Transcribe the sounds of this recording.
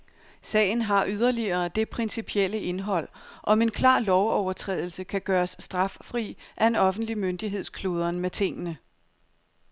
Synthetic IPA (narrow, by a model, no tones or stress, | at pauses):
sɛ̰ːɪn̩ɦɑ̈ʔyð̞ˠɐliɐːd̥e̝pʰʁɛnsipʰiel̰əʔe̝nɦɒ̽l̰ʔɒ̽me̝nkʰlɑ̰̈ːlɒʊɒʊɐt͡sʰʁɛ̰ːðˠl̩səkʰæɡ̥ɶːɐsːd̥ʁɑ̈ffʁḭʔæe̝nɒ̽fn̩d̥limønd̥iɦe̝ð̞̰ˠskʰlo̝ːð̞ˠɐnmet͡sʰe̝ŋ̰ənə